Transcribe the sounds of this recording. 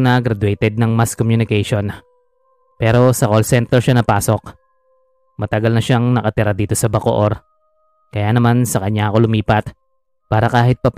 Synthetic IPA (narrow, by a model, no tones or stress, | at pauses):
nɐɡɾɐd̪ʊɛjt̪ɛd̪̚nɐŋmaskomjʊnɪkɛjʃo̞n | pɛːɾo̞sɐkolsɛnt̪ɛɹʃanɐpaːso̞k̚ | mɐt̪ɐɡalnɐʃaŋnɐkɐt̪ɪɾad̪iːt̪o̞sɐbɐko̰ʔoɾ | kɐjaːnɐmansɐkɐɲaɐko̞lʊmiːpɐt̪̚ | paːɾɐkaːhɪt̪̚pɐp